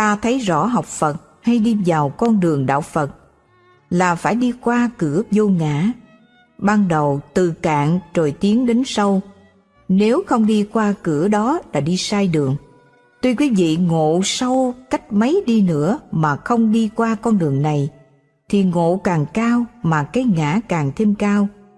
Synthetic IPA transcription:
t̪aː˧t̪ʰə˨˦jzɔ̰˧˥ɦɔ˨˩wk͡p̚fə˨˩t̚ | ha˧jɗi˧vaː˨˩wkɔ˧nɗɨ˨˩əŋɗa̰ː˧˨wfə˨˩t̚ | laː˨˩faː˧˩jɗi˧kwaː˧kɨ˧˩əzo˧ŋa̰ː˧˥ | ɓaː˧nɗə˨˩wt̪ɨ˨˩ka̰ː˧˨ŋzo˨˩jt̪i˨˦əŋɗe˨˦nsə˧w | ne˨˦wxə˧wŋ͡mɗi˧kwaː˧kɨ˧˩əɗɔ˨˦la̰ː˧˩ɗi˧saː˧jɗɨ˨˩əŋ | t̪wi˧kwi˨˦vḭ˧˨ŋo̰˧˨sə˧wka˦˥jk̟̚mə˨˦jɗi˧nɨ̰˧˥əmaː˨˩xə˧wŋ͡mɗi˧kwaː˧kɔ˧nɗɨ˨˩əŋna˨˩j | t̪ʰi˨˩ŋo̰˧˨kaː˨˩ŋkaː˧wmaː˨˩kaː˨˦jŋa̰ː˧˥kaː˨˩ŋt̪ʰe˧mkaː˧w

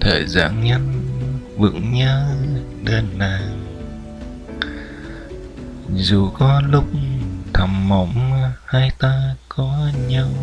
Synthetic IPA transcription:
t̪ʰə̰ː˨˩jza̰ː˧˩nɲə˧n | vɨ̰˧˥ŋɲəː˧˥ | ɗe˧˩nːaː˨˩ŋ | zu˨˩kɔ˨˦lʊ˦˥k͡p̚t̪ʰə˨˩mːə̰˧˩wŋ͡mhaː˧jt̪aː˧kɔ˨˦ɲa˧w

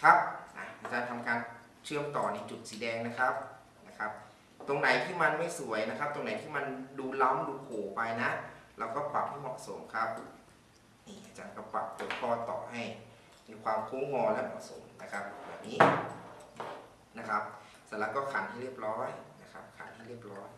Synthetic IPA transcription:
kʰa˦˥p̚ʔa̰˨˩ʔaː˨˩t͡ɕaː˧˩nt̪ʰa˧mkaː˧n | t͡ɕʰɯ˥˩əmt̪ɔː˨˩na˧t͡ɕu˨˩t̪̚siː˨˦dɛː˧ŋna˦˥kʰa˦˥p̚ | na˦˥kʰa˦˥p̚ | t̪o˧ŋna˨˩˦jt̪ʰiː˥˩ma˧nma˥˩jsu˩˦əjna˦˥kʰa˦˥p̚t̪o˧ŋna˨˦jt̪ʰiː˥˩ma˧nduː˧la˦˥mduː˧kʰoː˨˩pa˧jna˦˥ʔlɛː˧˥wkɔː˥˩pa̰˨˩p̚ha˥˩jmɔ˨˩so̰˩˦mkʰa˦˥p̚ | ʔiː˨˧˩ʔaː˧˩t͡ɕaː˧nka˧˩pa̰˨˩p̚t̪uː˨˩˦t̚pɔː˧˩t̪ɔ̰ː˨˩ha˥˩j | miː˧kʰwaː˧mkʰuː˦˥ŋɔː˧lɛ˦˥mɔ̰˨˩so̰˨˩˦mna˦˥kʰa˦˥p̚wɛ̰˨˩nːiː˦˥ | na˦˥kʰa˦˥p̚ | sa˨˦la˧˥kːɔː˥˩kʰa˨˦nt̪ʰiː˥˩ɾi˥˩əp̚ɾɔː˦˥jna˦˥kʰa˦˥p̚kʰa̰˨˩˦nt̪ʰiː˥˩ɾi˥˩əp̚ɾɔː˦˥j

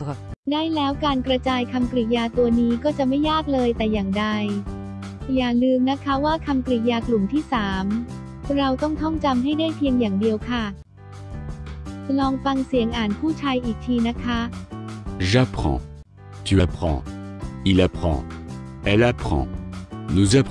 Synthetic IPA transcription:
daː˥˩jlɛː˦˥wkaː˧nkɾa˧t͡ɕaː˧jkʰa˧mkɾi˨˩t̪̚jaː˧t̪u˧ɐniː˦˥kɔː˥˩t͡ɕa˨˩ma˥˩jːaː˥˩k̚lɤː˧jt̪ɛː˨˩jaː˨˩ŋda˧j | jaː˨˩ŋnɯː˧mna˦˥kʰa˦˥waː˥˩kʰa˧mkɾi˨˩t̪̚jaː˧klu˨˩mt̪ʰiː˥˩saː˩˦m | ɾa˧wt̪ɔ˥˩ŋt̪ʰɔ˥˩ŋt͡ɕa˧mɦa˥˩jdaː˥˩jpʰi˧əŋjaː˨˩ŋdi˧əwkʰa˥˩ | t͡ɕʰa˧lɔː˧ŋfa˧ŋsi˨˩˦əŋʔaː˨˩npʰuː˥˩t͡ɕʰaː˧jʔiː˨˩k̚t̪ʰiː˧na˦˥kʰa˦˥ | ʒa˦pχɑ̰̃ | t̪y˨a˧pχɑ̰̃˧i˨la˧pχɑ̰̃˧ɛ˨la˧pχɑ̰̃˧nu˨za˦

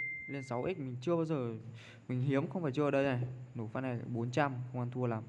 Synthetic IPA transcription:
le˧nsa˨˦wʔi˦˥k̚mï˨˩ŋ̟t͡ɕɨ˧əɓaː˧wzəː˨˩ | mï˨˩ŋ̟ɦi˨˦əmxə˧wŋ͡mfaː˧˩jt͡ɕɨ˧˨əː˨˩ɗə˧jnaː˨˩jno˧˩fa˧na˨˩˨ɓo˨˦nt͡ɕa˧mxə˧wŋ͡mʔaː˧nt̪ʰu˧əlaː˨˩m

